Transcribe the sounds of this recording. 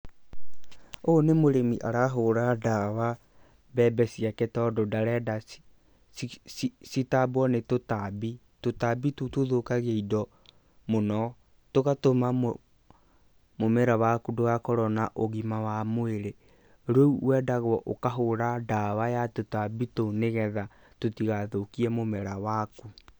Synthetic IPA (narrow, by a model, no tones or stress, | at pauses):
onemoɾemiʔaɾaɦoɾadawa | bɛbɛsiaketɔdɔdaɾɛda | sitabwɔnetotabi | totabitotoðokaɣeidɔ | monɔ | toɣatoma | momɛɾawakudoɣakɔɾɔnaʔoɣimawamoeɾe | ɾouwɛːdaɣwɔʔokaɦoɾadawajatotabitoneɣɛða | totiɣaðokiɛmomɛɾawaku